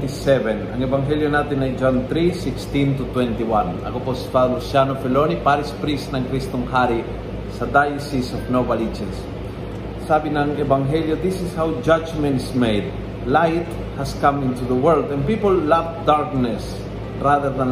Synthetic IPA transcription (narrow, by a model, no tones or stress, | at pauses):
isɛvɛ̃nã̰ŋevãŋɦeljonat̪inajd͡ʒãnt̪ɾisikst̪ĩnt̪ut̪wɛ̃nt̪iwãna̰koposispaðalusjanofelonipaɾispɾisnãŋkɾist̪õŋhaɾi | sad̪ajsisɔfnobalid͡ʒɛ̃nsː | abinãŋevãŋɦeljoðisishawd͡ʒad͡ʒmɛ̃nsmejd̪ | lajt̪ | haskãmĩnt̪uðəwɜ˞ld̪ɛ̃npipolːafd̪aɹknɛs | raðəɾðãn